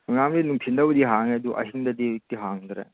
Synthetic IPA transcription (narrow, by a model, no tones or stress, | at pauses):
uŋamdinuŋpʰindɐbɐdiɦaŋeduʔɐ̰ɦiŋdɐdik̚tiɦaŋdɾḛ